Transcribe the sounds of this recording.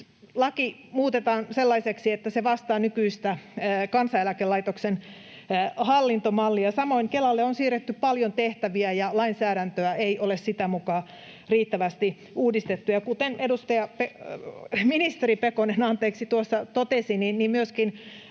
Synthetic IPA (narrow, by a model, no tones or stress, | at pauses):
lɑki | muːt̪et̪ɑːnselːɑiseksiet̪ːæseʋɑst̪ɑːnykyist̪ækɑnsɑelækelːɑit̪oksenː | hɑlːint̪omɑlːiɑsɑmoiŋkelɑlːeonsiːret̪ːyppɑljont̪eht̪æʋiæjɑlɑinsæːɾænt̪øæeiʔolessit̪æmukɑː | riːt̪ːæʋæst̪i | ʔuːdist̪et̪ːujɑkut̪enedust̪ɑjɑpe | minist̪eripekonenɑnt̪eːksit̪uosːɑt̪ot̪esininnimmyøskin